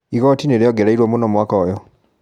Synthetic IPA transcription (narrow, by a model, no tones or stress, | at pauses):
ikotinelioɡeɾaiɾwomunoːmwakajo